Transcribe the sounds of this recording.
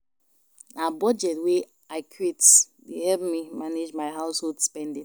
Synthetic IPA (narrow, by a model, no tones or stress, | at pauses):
abɔd͡ʒɛtwe | aɪkʰwit | dehɛlp̚mimaned͡ʒmaɪɦaʊsholdspɛ̃ndĩ